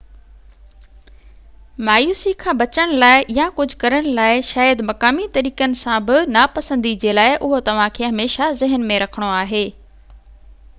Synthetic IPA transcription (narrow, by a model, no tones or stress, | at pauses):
maːjuːsikʰãːbɐt͡ɕəɽ̃laːɪʔjãkʊd͡ʑʱʊkɐɾəɽ̃laːɪʃaːjəd̪mɐkaːmit̪ɐɾiːkənɪ̆sãbɪnapɐsə̃nd̪id͡ʑeːlaːɪʔʊɦot̪ɐʋ̤ãkʰeːɦɐmeːʃazɪɦənmẽɾɐkʰəɽ̃oaːɦeː